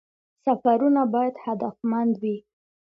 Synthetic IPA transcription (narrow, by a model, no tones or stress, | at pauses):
safaɾunabɑjad̪had̪afmand̪wi